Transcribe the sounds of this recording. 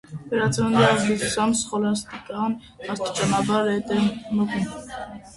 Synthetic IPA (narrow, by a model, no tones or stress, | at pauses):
vɛɾɑt͡sʰnuniɑzdizusɑmsχɔlɑst̪ikʼɑn | ɑst̪i̥t͡ʃɑnɑbɑɾɛt̪ɛməkun